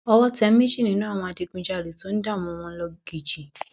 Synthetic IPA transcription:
ɔ˧wɔ˦tɛ˦mĩ˦ʃĩ˦˨nĩ˨˦nãː˦˨wɔ̃˧a˧ti˧k͡pĩ˧d͡ʒa˦˨ɾe˨to˦n̩˦da˦˨m̃ɔ̃˨˧w̃ɔ̃˧n̩˦lɔ˧ɡ̥i˨d͡ʒi˨

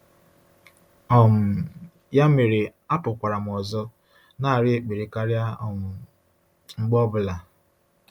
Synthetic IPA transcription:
ɔ˨m̩˨ | ja˦me˨ɾe˨a˦pʊ˨kʷa˨ɾa˨m̩˨ɔ˨zɔ˦ | na˦˨a˨ɾɪ˦e˨k͡pe˨ɾe˨ka˦ɾja˦ɔ˨mʊ˨ | ŋ͡m̩˦ɡ͡bɔ˦bʊ˨la˨

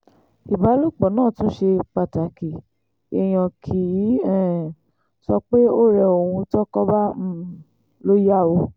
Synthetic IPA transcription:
i˨ba˨˦lo˦k͡pɔ˨nãː˦˨tũ˦ʃe˧k͡pa˨ta˨ki˨ | e˦˨j̃ã˧kʰi˨˦ɛ˦˨ | sɔ˧k͡pe˦o˦ɾɛ˧o˨ũ˧tɔ˦kɔ˦ba˦m̩˦˨ | lo˦ja˦˨o˧

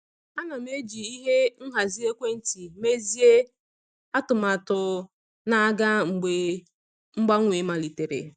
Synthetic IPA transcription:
a˦na˨m̩˦e˦d͡ʒi˨i˦ɦe˦n̩˦ɦa˨zi˦e˦kʷe˦n̩˦ti˨me˦zi˦e˦ | a˦tʊ˨ma˨tʊ˨ | na˦ɡa˦ŋ͡m̩˨ɡ͡be˨ | ŋ͡m̩˦ɡ͡ba˦ŋʷe˨˦ma˨li˨te˨ɾḛ˨

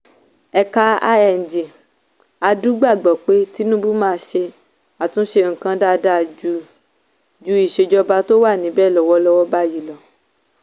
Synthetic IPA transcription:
ɛ˨ka˧a˧ɛ˨n̩˨d͡ʒi˨ | a˧du˦ɡ͡ba˦˨ɡ͡bɔ˨k͡pe˦ti˨˦nũ˦bu˦mãː˦˧˦ʃe˧ | a˨tũ˨˦ʃe˧ŋ̩˨kã˧da˦˨da˦˨d͡ʒu˨˧ | d͡ʒu˧˦i˨ʃe˧d͡ʒɔ˧ba˧to˦wa˦˨nĩ˨˦bɛː˦˨lɔ˨wɔ˧˦lɔ˧wɔ˦ba˦ji˨lɔ˨

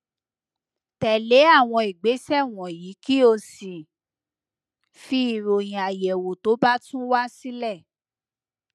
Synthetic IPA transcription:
tɛ˨le˨˦a˦˨w̃ɔ̃˧i˨ɡ͡be˨˦sɛ˦˨w̃ɔ̃˨ji˨˦ki˦o˧sĩ˨ | fi˦i˦˨ɾo˨jĩ˨a˨jɛ˨wo˨to˨˦ba˦tũ˦wa˦si˦lɛ˦˨

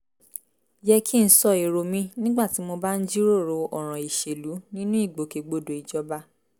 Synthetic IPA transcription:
jɛ˧kʰi˦n̩˦sɔ˦˨i˨ɾo˧mĩ˦nĩ˦ɡ͡ba˦˨ti˨˦mo˧ba˦n̩˦d͡ʒi˦ɾo˦˨ɾo˨˧ɔ˦˨ɾ̃ã˨i˨ʃe˨lu˨˦nĩ˦nũ˦i˦˨ɡ͡bo˨ke˨˧ɡ͡bo˧do˨i˨d͡ʒɔ˨˦ba˦

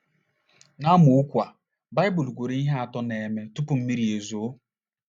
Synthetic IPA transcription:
na˦mʊ˨ʊ˦kʷa˨ | ba˦jbʊ˨lɡʷu˨ɾi˦i˦ɦe˦a˨tɔ˦ne˨me˦tu˦pʊ˨m̩˦mi˦ɾi˨e˨zo˨˦

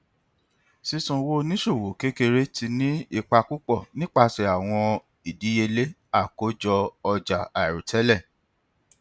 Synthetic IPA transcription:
si˧sũ˨wo˦˧nĩ˦ʃo˦˨wo˨˦ke˦ke˧ɾe˦ti˧nĩ˦i˦˨k͡pa˧ku˦k͡pɔ˦˨nĩ˦k͡pa˧sɛ˨a˨w̃ɔ̃˧ | i˨di˨˦je˧le˦ | a˦˨ko˨˦d͡ʒɔ˧ɔ˧d͡ʒa˨a˨i˨ɾu˨tʰɛ˨˦lɛ˦˨

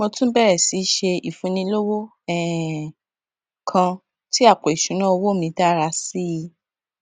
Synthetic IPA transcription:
mõ˧tũ˦bɛ˦ɾɛ˨si˨˦ʃe˧i˨fũ˧nĩ˧lo˦wo˦ | ɛ˦˨ | kʰã˧ | ti˦a˦˨k͡po˨i˨ʃũ˨˦nã˦o˧wo˦˨mĩ˧ta˦ɾa˧si˦˧

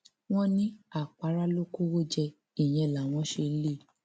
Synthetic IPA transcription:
w̃ɔ̃˦nĩ˦a˦˨k͡pa˨˧ɾa˦lo˦ko˦wo˦d͡ʒɛ˧ | i˦˨j̃ɛ̃˨˧˨la˨w̃ɔ̃˧˦ʃe˧˦le˦˨

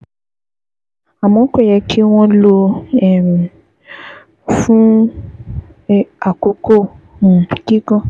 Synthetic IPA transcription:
a˨mɔ̃˨˦kʷɛ˦˨jɛ˧kʰi˦w̃ɔ̃˦lo˧ɛ˦˨mi˨ | fũ˦ | a˨ko˧kõ˦˨ | ɡi˦ɡɔ̃˦˨

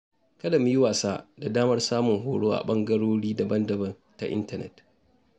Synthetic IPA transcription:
kɐ˦da˨mu˦jɪ˦waː˨saː˦da˨daː˦mɐ˦rsaː˦mʊ˨ŋɦoː˨ɽoː˦ʔa̰˨ɓɐ˦ŋɡɐ˦ɽoː˦ɽiː˦dɐ˨bɐ˦ndɐ˨bɐ˦n | ta̰˨ʔɪ̰˦ntɐ˨nɛ̰˨t

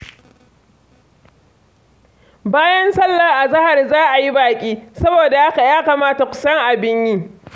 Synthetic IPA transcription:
baː˦jɐ˦nsɐ˦lːa˨ʔa˨zɐ˦ha˨rzaː˦ʔa˨ji˦baː˨kʲʼiː˦sɐ˦boː˨da˨ʔa˦ka˨jaː˦kaː˨maː˦ta˨kʷʊ̥˨sɐ˦ŋʔa˨bɪ˦ɲjiː˦

